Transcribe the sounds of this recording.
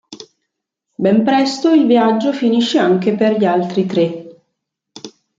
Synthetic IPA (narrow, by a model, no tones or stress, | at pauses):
bɛmpɾɛst̪oilviad͡ʒːofiniʃːeaŋk̟eperʎialt̪ɾit̪ɾe